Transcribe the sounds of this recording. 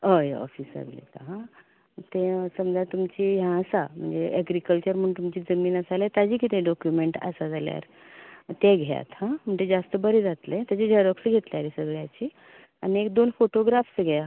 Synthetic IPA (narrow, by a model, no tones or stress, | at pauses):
əɔ̰fiːsa̰ʋḭlḛt̪aɦã | t̪ẽsəmd͡zat̪umt͡ɕiɦjãːsam̤əɳd͡zeʔɛɡɾikəlt͡ɕəɾm̤əɳt̪umt͡ɕiːd͡zəmiːnəsalet̪ad͡ʑiːkit̪ẽɖɔkjumeʈa̰sad͡zʱalja̰ɾ | t̪eɡʱa̰t̪hãm̤əɳd͡zed͡zast̪əbəɾed͡zat̪let̪jat͡ɕed͡ʑʱəɾəksɡʱet̪ljaɾisəɡɭjat͡ɕiː | aniekd̪onfoʈoɡɾafsɡʱɛja